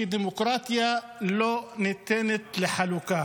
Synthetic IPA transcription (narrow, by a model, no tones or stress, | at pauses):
id̪imʊkɾˤɑːt̪ɪja | lonɪt̪ːeːnɪt̪lɪħalukaː